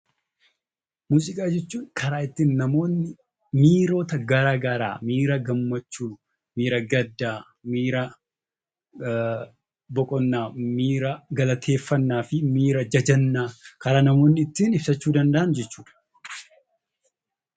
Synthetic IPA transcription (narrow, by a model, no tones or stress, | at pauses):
muːsʼɪkʼaːd͡ʒɛt͡ʃːuːnkʰɐɾaːɪt̪ːiːnːɐmo̞ːnːɪ | miːɾo̞ːt̪ɐɡɐɾaːɡɐɾa̰ːmiːɾɐɡɐmːɐt͡ʃːuː | miːɾɐɡɐd̪ːaː | miːɾɐ | bɔkʼɔnːaːmiːɾɐɡɐlɐt̪ʰe̞ːfːɐnːaːfɪmiːɾɐd͡ʒɐd͡ʒɐnːaːkɐɾaːnɐmo̞ːnːɪːt̪ːiːnɪb̥sɐt͡ʃːuːd̪ɐnd̪ɐʔɐnd͡ʒɛt͡ʃːuːᶑɐ̥